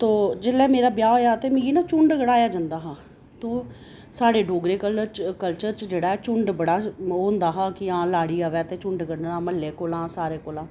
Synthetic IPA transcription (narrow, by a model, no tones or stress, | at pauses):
t̪oːd͡ʒɪlɛːmeːɾaːbjaːoːjaːt̪eːmĩːɡiːnãːt͡ʃʊɳɖɡəɽaːjaːd͡ʒãːnd̪aːɦãː | t̪õː | saːɽeːɖoːɡɾeːkələt͡ʃkəlt͡ʃəɾt͡ʃd͡ʒeːɽaːɦɛːt͡ʃʊɳɖbəɽaːɦoːnd̪aːɦãːkɪãːlaːɽiːaːʋɛːt̪eːt͡ʃʊɳɖɡəɽnãːməlːeːkoːlãːsaːɾeːkoːlãː